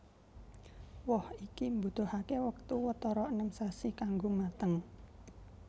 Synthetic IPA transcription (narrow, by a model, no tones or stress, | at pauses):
wɔhikimbut̪ohakewək̚t̪uwət̪ɔɾɔənəmsasikaŋɡomat̪əŋ